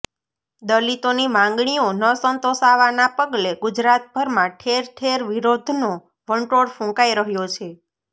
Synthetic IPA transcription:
d̪əlit̪onimãŋɡɳ̃ionəsənt̪oʃaʋanapəɡleɡud͡ʒɾat̪̚bʱəɾmãʈʰeɾʈʰeɾʋiɾod̪ʱno | ʋəɳʈoɽfũkaiɾəɦjot͡ʃʰe

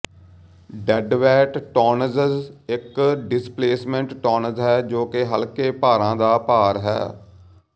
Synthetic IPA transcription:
ɖɛɖʋɛːʈʈɔːnəzəzɪkɖɪspleːsmə̃ɳʈːɔːnəzɦɛːd͡ʒoːkeɦəlkeːpaːɾãːd̪aːpaːɾɦɛ̰ː

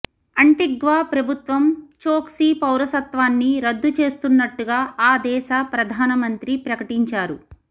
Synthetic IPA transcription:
ɐɳʈiɡʋaːpɾɐbʱut̪ʋɐmt͡ʃoːksiːpɐwɾɐsɐt̪ʋaːnːiɾɐd̪ːut͡ʃe̞ːst̪unːɐʈːuɡaːaːd̪ɛːʃapɾɐd̪ʱaːnɐmɐnt̪ɾipɾɐkɐʈiɲt͡ʃaːɾu

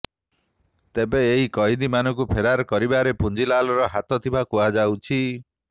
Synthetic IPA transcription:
t̪ebeːɦikɔid̪imanɔŋkupʰeɾaɾɔkɔɾibaɾepund͡ʒilalɔɾɔɦat̪ɔt̪ʰibakuad͡ʒawt͡ʃʰi

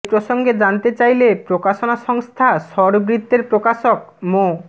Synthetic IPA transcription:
pɾoʃoŋɡed͡ʑant̪et͡ɕajlepɾokaʃonaʃɔŋst̪ʰaʃɔɾbɾit̪ːeɾpɾokaʃok̚ | mo

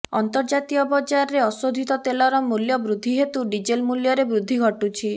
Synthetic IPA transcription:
ɔ̰nt̪ɔɾd͡ʒatt̪iɔbɔd͡ʒaɾɔɾeɔsod̪ʱit̪ɔt̪elɔɾɔmuljɔbɾud̪ʱːiɦet̪uɖid͡ʒelmuljɔɾebɾud̪ʱːiɡʱɔʈut͡ʃʰi

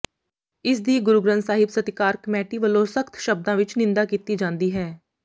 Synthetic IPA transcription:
ɪsd̪iːɡʊɾʊɡɾənsaːɦɪbsət̪ɪkaːɾkəmɛːʈiːʋəlõːsəkʰt̪ʰʃəb̚d̪ãːʋɪt͡ʃnɪ̃nd̪aːkiːt̪iːd͡ʒãːnd̪iːɦɛː

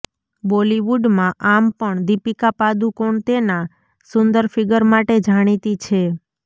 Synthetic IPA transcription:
bɔliʋuɖmãʔampəɳd̪ipikapad̪ũkoɳt̪ena | sʊnd̪əɾfɪɡəɾmaʈed͡ʒʱaɽ̃it̪it͡ʃʰe

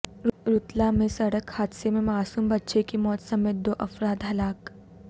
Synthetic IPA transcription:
ɾʊt̪lamẽsɐɽəkhaːd̪semẽmaːsuːmbɐtːʃekimɔːt̪sɐmeːt̪̚d̪oːʔɐfɾaːd̪ɦɐlaːk

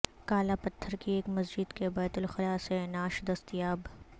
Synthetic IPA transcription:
kaːlapɐt̪ʰːəɾkieːkmɐzd͡ʒɪd̪kebɛːt̪ʊlxɪlaːsenaːʃd̪ɐst̪ijaːb

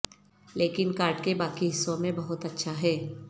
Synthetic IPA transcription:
leːkɪnkaːɾʈkebaːkiɦɪsːõmẽbɐɦʊt̪ɐtːʃʰaɦɛː

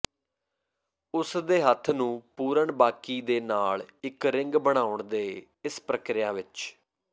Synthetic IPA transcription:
ʊsd̪eːɦət̪ʰːnũːpuːɾəɳbaːkiːd̪eːnaːɭɪkɾɪ̃ŋɡbəɽ̃aːʊɳd̪eː | ɪspɾəkɾɪjaːʋɪt͡ʃ

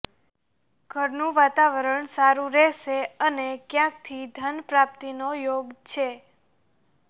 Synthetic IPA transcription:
ɡ̥ʱəɾnũʋat̪aʋəɾəɳsaɾũɾɛʃeənekjãk̚t̪ʰid̪ʱənpɾap̚t̪inojoɡt͡ʃʰe

